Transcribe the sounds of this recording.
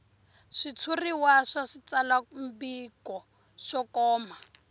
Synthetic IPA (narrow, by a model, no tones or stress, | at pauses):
ʂit͡sʰuriwaʂaʂit͡salambikɔ | ʂɔkɔːma